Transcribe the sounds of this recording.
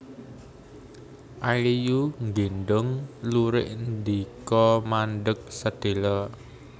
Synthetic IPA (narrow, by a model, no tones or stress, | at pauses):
ʔalijuŋɡinɖʊŋluɾɪʔnd̪ikɔmanɖək̚səd̪̥e̤lɔ